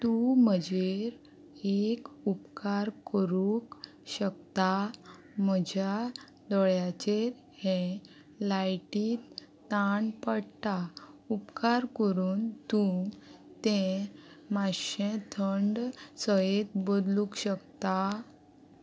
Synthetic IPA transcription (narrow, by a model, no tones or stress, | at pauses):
t̪uməd͡ʑeɾ | ekupkaɾkəɾuk | ɕək̚t̪a | məd͡ʑʱja | d̪ɔɭjat͡ɕeɾ | hɛ̃ | lajʈiːt̪ː | aɳpəɽt̪aupkaɾkəɾuːnt̪ũŋt̪ẽ | maɕẽt̪ʰəɳɖsəjet̪̚bəd̪lũkɕəkt̪a